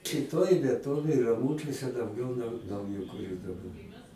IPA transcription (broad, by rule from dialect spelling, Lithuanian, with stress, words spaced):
ʃʲɪˈtoːj ʋʲiɛˈtoːʋʲeːj rɐˈmuːt͡ʃʲuɔsʲɛ dɐʊˈɡʲɛʊ nɐʊ nɐʊjɛkʊˈrʲuː dɐˈbɐr